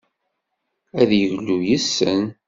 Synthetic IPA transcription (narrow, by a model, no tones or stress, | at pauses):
æðjəʝlːujəsːən